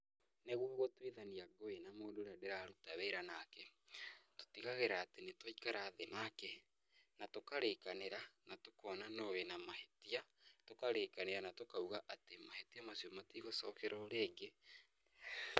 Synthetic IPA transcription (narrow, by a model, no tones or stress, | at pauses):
neɣwoɣotweðaniaɡoenamoːndoɾadeɾaɾutaβeɾanakɛto̥tiɣaɣeɾaːtenetwaikaɾaːðenakɛ | natokaɾekaneɾanatokɔːnanoɣenamahetiatokaɾekaneɾanatokauɣaʔatemahetiamasiomatiɣosɔkɛɾʔɔɾeːɡe